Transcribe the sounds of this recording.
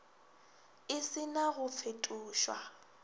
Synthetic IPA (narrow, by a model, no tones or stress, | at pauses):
ɪsɪnaɣʊp̪fʰetʼuːʃwa̰